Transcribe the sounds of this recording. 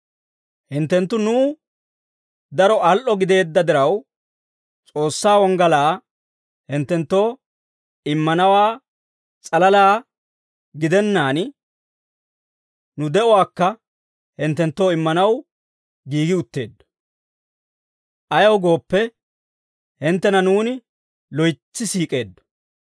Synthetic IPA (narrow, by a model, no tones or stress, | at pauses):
hɪnt̪ːɛnt̪ːʊnʊː | d̪ɐɾɔɐlʔɔɡɪd̪e̞ːd̪ːɐd̪ɪɾɐw | t͡sʼo̞ːsːaːwɔŋɡɐlaː | hɪnt̪ːɛnt̪ːo̞ː | ɪmːɐnɐwaː | t͡sʼɐlɐlaː | ɡɪd̪ɛnːaːn | nʊd̪ɛɔwaːkːɐ | hɪnt̪ːɛnt̪ːo̞ːɪmːɐnɐw | ɡiːɡɪʊt̪ːe̞ːd̪ːɔ̥ | ʔɐjɐwɡo̞ːpːɛ | hɪnt̪ːɛnɐnuːnɪ | lɔjt͡sːɪsiːkʼe̞ːd̪ːɔ̥